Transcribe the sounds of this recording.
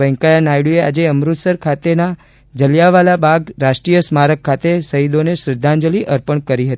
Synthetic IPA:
əŋkajanajɽuea̰d͡ʒeəmɾut̪səɾkʰat̪ena | d͡ʒəljaʋalabaɡɾaʃʈɾijəsmaɾəkʰːat̪esəid̪onesɾɪd̪ʱːãnd͡ʒəliʔəɾpəɳkəɾiɦət̪

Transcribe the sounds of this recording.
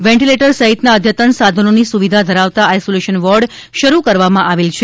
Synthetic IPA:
ʋɛ̃ɳʈileʈəɾsəɦit̪naəd̪ʱjət̪ənsad̪ʱənonisuʋid̪ʱad̪ʱəɾaʋt̪aajsoleʃənʋɔɾɖ | ʃəɾukəɾʋamãʔaʋelt͡ʃʰe

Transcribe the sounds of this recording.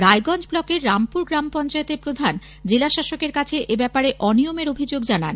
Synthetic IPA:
ɾaeɡɔnd͡ʑblɔkeɾːampuɾɡɾampɔnt͡ɕaet̪eɾpɾod̪ʱan | d͡ʑelaʃaʃokeɾkat͡ɕʰeʔebɛpaɾeʔɔnijomeɾobʱid͡ʑoɡd͡ʑana̰n

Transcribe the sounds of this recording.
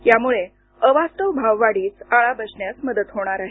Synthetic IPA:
jamuɭe | əʋast̪əʋbʱaʋːaɽiːt͡saɭabəsɳjasməd̪ət̪ɦoɽ̃aɾaɦe

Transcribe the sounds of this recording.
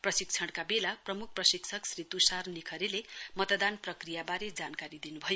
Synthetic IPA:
prʌsikt͡sʰʌɽkabelaprʌmuk̚ʰprʌsikt͡sʰʌksrit̪usarnikʰʌɾelemʌt̪d̪anprʌkrijabaɾed͡zankaɾid̪inubʱʌjo

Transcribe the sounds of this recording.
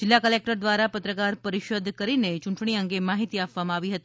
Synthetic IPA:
d͡ʒɪlːakəlek̚ʈəɾd̪ʋaɾapət̪ɾəkaɾpəɾɪʃoːd̪ʱkəɾinet͡ʃʊɳʈɳ̃iəŋɡemaɦit̪iapʋamãaʋiɦət̪i

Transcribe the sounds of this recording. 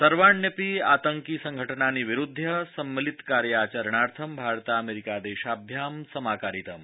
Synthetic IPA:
t̪ɐɾʋaːɳːjəpiːaːt̪əŋkiːsɐŋɡʱəʈənaːniːʋiɾud̪ʱːɐsɐmːilit̪kaːɾjaːt͡ɕɐɾɳaːɾt̪ʰɐmbʱaːɾt̪aɐmeɾikad̪eːʃaːbʱjaːmsɐmaːkaːɾit̪ɐm

